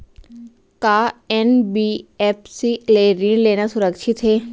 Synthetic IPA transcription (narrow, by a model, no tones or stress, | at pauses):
kaːɛnbiɛːpsileːɾiːnleːnasʊɾəkʃʰɪt̪ɦeː